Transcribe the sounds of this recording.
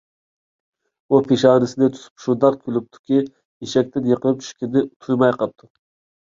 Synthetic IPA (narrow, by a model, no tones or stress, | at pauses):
upʰeʃɑːnɨsɪd̪ɪt͡ʃ̪ʰu̥sʰy̥pʃund̪ɑqkʲʰylyp̚t̪ʰu̥kʲi | jeʃɛk̚ʲt̪ɪnjəqʰəlˠɨp̚t͡ʃʰy̥ʃkʲid̪ɪt̪ʰujmɑjqʰɑp̚t̪ʰu